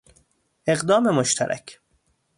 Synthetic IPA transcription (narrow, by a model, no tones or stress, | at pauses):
e̞ɣd̪ɒːme̞moʃt̪ʰæ̰ɾʔæ̰kʰ